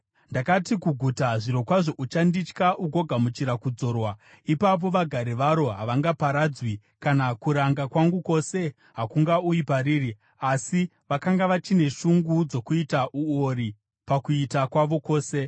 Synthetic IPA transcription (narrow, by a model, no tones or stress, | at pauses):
ndakatikuɡʱutaʐiɾo̞kwaʐo̞ʔut͡ʃandit͡ʃkaʔuɡʱo̞ɡʱamut͡ʃiɾakud͡zo̞ːrwa | ipap̬o̞ʋaɡʱaɾiʋaɾo̞ɦaʋaŋɡapaɾad͡zwi | kanakuɾaŋɡakwaŋɡuko̞se̞ | ɦakuŋɡaujipaɾiːri | asi | ʋakaŋɡaʋat͡ʃine̞ʃuŋɡud͡zo̞kuitaʔuoɾi | pakuitakwaʋo̞ko̞ːse̞